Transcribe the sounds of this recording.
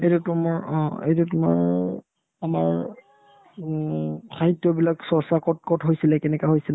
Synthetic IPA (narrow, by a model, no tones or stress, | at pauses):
ejtutʊmaɹɔ̃ḛjt̬utʊma̰ɹ | amaɹ | xaɦitːjɔbilaksɔsakɔt̚kɔtɦojsilɛkɛnɛkaɦojsilɛ